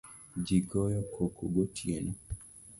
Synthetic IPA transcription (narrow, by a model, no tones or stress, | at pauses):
d͡ʒiɡɔjɔkʰokoɡotʰjenɔ